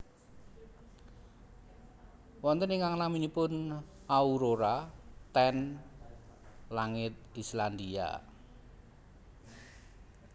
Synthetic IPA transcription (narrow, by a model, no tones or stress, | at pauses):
wɔnt̪əniŋaŋnaminipʊn | auɾoɾat̪ɛn | laŋɪt̪̚island̪ia̰